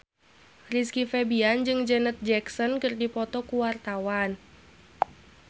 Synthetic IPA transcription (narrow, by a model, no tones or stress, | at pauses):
riskifɛbiand͡ʒɨŋd͡ʒənət̪̚d͡ʒɛksɔnkɨrdipɔt̪ɔkuwart̪awan